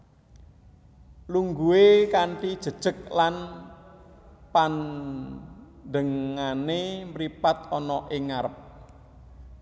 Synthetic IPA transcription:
luŋɡuekaɳʈid̥ʒ̥ə̤d̥ʒ̥ə̤k̚lan | pan | dəŋanemɾipat̪ɔnɔʔɪŋaɾəp̚

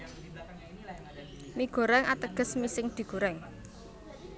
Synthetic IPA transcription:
miɡ̥o̤ɾɛŋat̪əɡ̥ə̤smisɪŋd̪̥i̤ɡ̥o̤ɾɛŋ

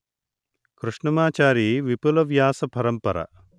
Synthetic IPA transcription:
kɾuʂɳɐmaːt͡ʃaːɾiʋipulɐʋjaːsɐpɐɾɐmpɐɾɐ̰

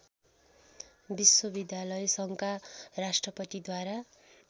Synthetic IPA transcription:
biswʌbid̪jalʌjsʌŋkarasʈrʌpʌt̪id̪waɾa

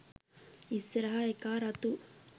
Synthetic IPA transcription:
isɾɐɦaekaːɾɐt̪u

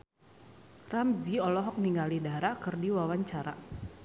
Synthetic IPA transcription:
ramziɔlɔɦɔk̚niŋɡalidaɾakɨrdiwawaɲt͡ʃaɾa

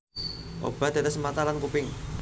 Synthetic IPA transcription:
ʔo̰b̥a̤d̪̥a̤t̪ɛsəmat̪alankupɪŋ

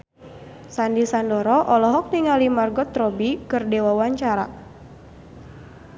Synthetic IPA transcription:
sandisandɔɾɔʔɔlɔɦɔk̚niŋalimarɡɔt̪ɾɔbikɨrdewawaɲt͡ʃaɾa̰

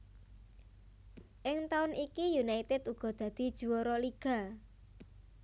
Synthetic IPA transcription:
ʔɪŋt̪aʊnʔikijunait̪ɛd̪uɡ̥ɔ̤d̪̥ä̤d̪̥i̤d̥ʒ̥ṳwɔɾɔliɡ̥a̤

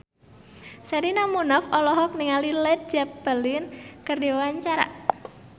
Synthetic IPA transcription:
saɾinamunafɔlɔɦɔk̚niŋalilɛt̪̚d͡ʒap̚b̥əlinkərdewaɲt͡ʃaɾa̰

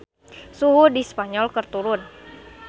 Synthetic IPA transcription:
suɦudispaɲɔlkərt̪uɾʊn

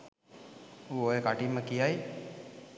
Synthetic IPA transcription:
uojekaʈimːəkijaj

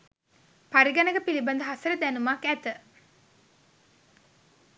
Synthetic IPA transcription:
paɾiɡanəɡəpiliband̪əɦasəɾəd̪ænumakæt̪ə

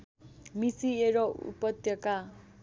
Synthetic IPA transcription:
misieɾʌṵpʌt̪jʌka

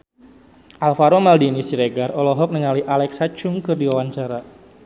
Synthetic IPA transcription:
ʔalfaɾomaldinisiɾeɡarɔlɔɦɔk̚nəŋaliʔalɛksat͡ʃuŋkɨrdiwawaɲt͡ʃaɾa

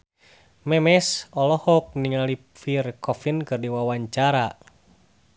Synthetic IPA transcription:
mɛmɛsɔlɔhɔk̚niŋali | firkɔfinkɨrdiwawaɲt͡ʃaɾa

